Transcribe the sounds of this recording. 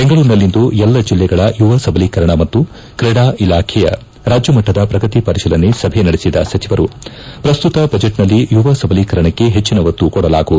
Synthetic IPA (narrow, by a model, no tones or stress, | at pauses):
beŋɡɐɭuːɾnɐlːind̪uɛlːɐd͡ʒilːɛɡɐɭɐjuʋɐsɐbʱɐlikɐɾɐɳɐmɐt̪ːu | kɾɛɽaːʔilaːkʰɛjɐ̰ | ɾaːd͡ʒjɐmɐʈːɐd̪ɐpɾɐɡɐt̪ipɐɾiʃɐlɐnːesɐbʱenɐɽisid̪ɐ̰sɐt͡ʃʰiʋɐɾu | pɾɐst̪ut̪ɐbɐd͡ʒeʈnɐlːijuʋɐsɐbʱɐlikɐɾɐɳɐkːe̞ɦet͡ʃːinɐʋɐt̪ːukɔɽɐla̰ːɡuːd̪u